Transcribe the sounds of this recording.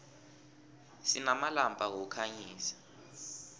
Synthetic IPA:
sinamalampʼaɣɔkʰaɲiːsḁ

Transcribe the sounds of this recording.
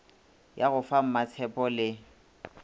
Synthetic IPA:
jaɣʊfam̩mat͡sʰɛpʼɔlɪ

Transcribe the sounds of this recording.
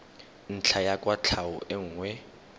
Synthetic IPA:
n̩t͡ɬʰajakʼwat͡ɬʰaʊʔɪŋ̩ːŋwɛ

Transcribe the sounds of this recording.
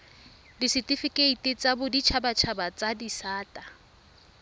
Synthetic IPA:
disɪtʼifikʼeitʼɪt͡sʼabʊdit͡ʃʰabat͡ʃʰabat͡sʼadisaːtʼa

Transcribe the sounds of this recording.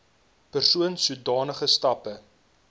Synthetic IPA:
pərsuənsudɑːnəχəstɐpə

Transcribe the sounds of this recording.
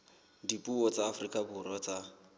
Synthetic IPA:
dipʼuɔt͡sʼaːfrikʼabʊrɔt͡sa

